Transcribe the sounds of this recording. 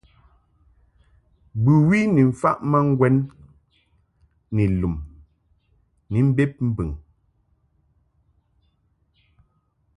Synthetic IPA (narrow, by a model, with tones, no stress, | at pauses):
bʉ˨wi˦ni˨ɱ̩˨fa˦ʔma˦ŋ˦ɡwɛ˦n | i˨lu˨m | ni˨m̩˦be˦p̚m̩˦bɨ˨ŋ